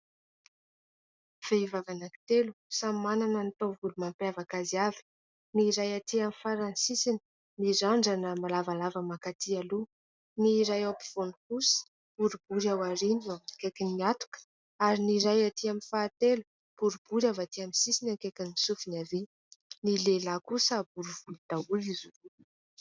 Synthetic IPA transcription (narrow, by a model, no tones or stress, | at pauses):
v̥eivavanaki̥t̪elusammananənit̪ovulumampavakaziavi̥ | niɾajat̪iamifaɾansisini̥ | miɾaɳɖ͡ʐanəmalavalavəmakat̪ʰialu | niɾajawpiv̥onukusi̥ | b̥uɾubuɾawaɾinakekʲiniat̪u̥kə̥ | aɾiniɾajat̪iaminfaːt̪elu | b̥uɾub̥uɾavat̪iamisisinakekʲanisufinavi | nilelakusəbuɾuvulid̪̥auizu